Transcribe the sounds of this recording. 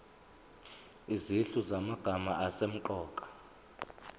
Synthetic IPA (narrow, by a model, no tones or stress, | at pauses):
iziɬuzamaɡ̥ʱamaʔasem̩ǃɔːkʼḁ